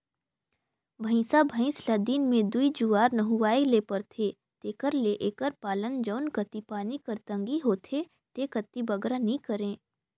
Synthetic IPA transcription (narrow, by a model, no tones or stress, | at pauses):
bʱɐ̃ɪ̃sabʱə̃ɪ̃slɐd̪iːnmẽd̪uid͡ʒuaːɾnəɦuʋaːeleːpəɾt̪ʰe | t̪eːkəɾleʔeːkəɾpaːlənd͡ʒəʊnkət̪ipaːnikɐɾt̪ə̃ŋɡiɦoːt̪ʰe | t̪ekət̪ːibɐɡɾanĩkəɾẽː